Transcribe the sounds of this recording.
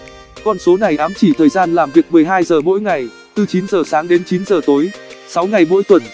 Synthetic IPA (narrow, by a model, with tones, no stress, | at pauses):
kɔ˧˩nso˨˦na˨˩jʔaː˨˦mt͡ɕi˧˩t̪ʰəː˨˩jzaː˧nlaː˨˩mvi˨˩ək̚mɨ˨˩əjɦaː˧jzəː˨˩mo̰˧˥jŋa˨˩j | t̪ɨ˧t͡ɕi˨˦nzəː˨˩saː˨˦ŋɗe˨˦nt͡ɕi˨˦nzəː˨˩t̪o˨˦jsa˨˦wŋa˨˩jmo̰˧˥jt̪wə˨˩n